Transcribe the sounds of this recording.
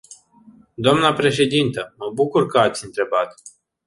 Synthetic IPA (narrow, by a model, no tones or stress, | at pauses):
d̪oamnəpɾe̞ʃe̞d̪int̪əməbukurkəat̪sʲɨnt̪ɾe̞bat̪